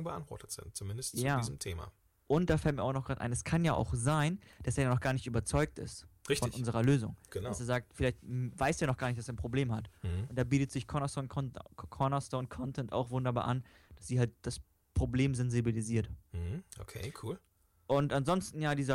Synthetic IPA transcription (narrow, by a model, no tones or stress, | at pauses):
ŋbəʔa̰ntv̥ɔ̰ɐtətz̥ɪ̰nt̚t͡sumɪndəstt͡sjaːiːzəm̩tʰeːma̰ | ʔʊnt̚d̥aːfɛlt̚miːɐaʊxnɔχɡ̥ʁaːtʔa̰ɪnɛskʰanjaːʔa̰ʊxzaɪnd̥aseːɐjanɔχɡ̥aːɐnɪçtyːbɐt͡sɔʏk̚tɪ̰stʁɪçtfɔnʔʊnzəʁɐløːzʊŋɡ̥ənasseːɐzaːk̚tfɪlaɪçtvaɪsteːaɐnɔχɡ̥aːɐnɪçtaseɐnpʁ̥obleːmɦat̩hʔʊnt̚d̥aːbiːtətz̥ɪçkʰɔnastonʰɔkʰɔnastonkʰɔntʰɛnta̰ʊxvʊndɐbaːɐʔa̰n | d̥asz̥iːhalt̚d̥as | pʁ̥obleːmzɛnzibiliziːɐtm̩h̩ʔo̰kʰḛːkʰuːl | ʔʊntanzɔnstn̩jaːdiːzɐ